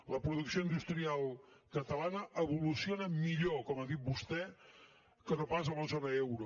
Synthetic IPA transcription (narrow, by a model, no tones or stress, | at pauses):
ləpɾuðuksioind̪ust̪ɾialˠkət̪əlanəəβulusionəmiʎokɔməðit̪̚bust̪ɛ | kənopazələzonəɛwɾu